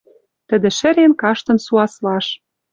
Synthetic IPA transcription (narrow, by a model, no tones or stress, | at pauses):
t̪ə̆d̪ĕʃɘ̆ɾenkɑʃt̪ɤ̆nsuɑslɑʃ